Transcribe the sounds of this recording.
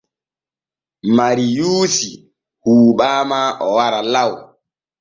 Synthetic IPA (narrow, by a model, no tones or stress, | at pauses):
maɾijuːsi | huːɓaːmaʔɔwaɾalaw